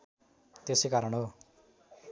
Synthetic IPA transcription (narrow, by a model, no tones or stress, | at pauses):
t̪esekaɾʌɳɦo